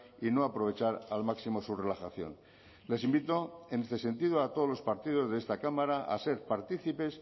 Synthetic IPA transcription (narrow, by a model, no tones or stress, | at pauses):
ino̞apɾo̞β̞et͡ʃaɾalmaksimo̞sure̞laxaθjo̰n | le̞simbit̪o̞enest̪e̞se̞nt̪iðoat̪oð̞olo̞spaɾt̪iðo̞zðeest̪akamaɾaa̰se̞ɾpaɾt̪iθipe̞s